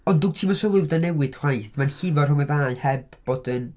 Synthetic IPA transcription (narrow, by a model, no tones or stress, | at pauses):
ɔndutʰiːmɔsɔlˠɪwdanɛwɨd̥hwajθmanɬɪvɔrhʊŋɛðaːɨhɛb̥ːoːdɨn